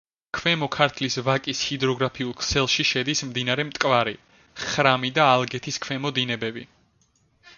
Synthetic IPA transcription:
kʰwɛmɔkʰaɾt̪ʰlisvakʼishid̪ɾɔɡɾapʰiulˠkʰsɛlˠʃiʃɛd̪ismd̪inaɾɛmt̪ʼkʼvaɾi | χɾamid̪aːlˠɡɛt̪ʰiskʰwɛmɔd̪inɛbɛbi

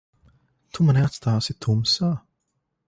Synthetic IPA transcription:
t̪ʰumanɛat̪st̪ʰaːsɪt̪ʰumsaː

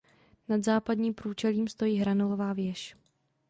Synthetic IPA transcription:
nad̪zaːpadɲiːmpɾuːt͡ʃɛliːmst̪o̞jiːɦɾanolovaːvjɛʃ

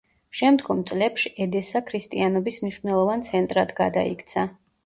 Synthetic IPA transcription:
ʃɛmd̪ɡɔmt̪sʼlɛpʃiʔɛd̪ɛsakʰɾist̪ʼianɔbismniʃvnɛlˠɔvant̪sʰɛnt̪ʼɾad̪ɡa̰d̪a̰ḭkʰt̪sʰa

